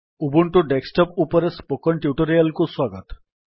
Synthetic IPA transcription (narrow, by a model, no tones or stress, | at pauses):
ubuɳʈuɖeksʈɔpupɔɾespokɔɳʈjuʈɔɾialkuswaɡət̪